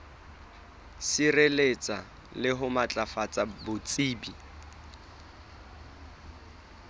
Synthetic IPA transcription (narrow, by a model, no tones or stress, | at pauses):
sirelet͡sʼa | lɪɦʊmat͡ɬʼafat͡sʼabʊt͡sʼiːbi